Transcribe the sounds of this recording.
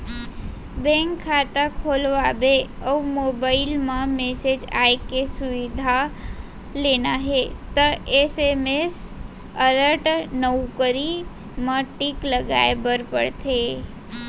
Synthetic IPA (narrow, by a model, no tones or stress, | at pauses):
bɛ̃ŋkʰːaːt̪akʰolʋabeəumoːbaːɪlmãmesed͡ʒa̰ːekesʊʋɪd̪ʱa | leːnaɦet̪əesemes | ələɾʈnəukəɾi | mãʈɪkləɡa̰ːebəɾpə̰ɽt̪ʰe